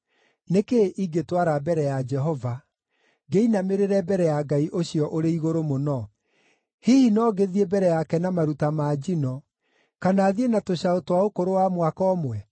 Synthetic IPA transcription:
nekeʔiɡetwaɾabɛɾɛjad͡ʒɛɦɔva | ɡeinameɾeɾɛbɛɾɛjaɡaiʔoɕiɔʔoɾeiɣoɾomonɔ | hihinɔɡeðiebɛɾɛjakɛnamaɾutamaːd͡ʒinɔ | kanaːðienatoɕaotwaokoɾowamwakɔːmwɛ

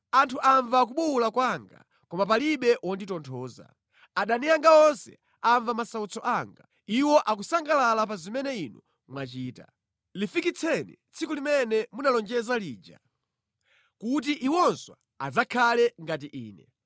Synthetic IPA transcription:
antʰuʔaɱvak̬uɓuulakwaŋɡa̰ | kɔmap̬aliɓɛʔwɔnditɔntʰɔːza̰ | aɗanijaŋɡaɔnsɛ̰ | aɱvamasaut͡sʰɔʔaŋɡa | iwɔʔak̬usaŋɡalalap̬azimɛnɛinɔ | mwat͡ʃiːta̰ | lifikit͡sʰɛnḭt͡sʰikulimɛnɛmunalɔnd͡ʒɛzaliːd͡ʒa̰ | kut̬iʔiwɔnswa | azakʰalɛŋɡat̬iʔiːnɛ

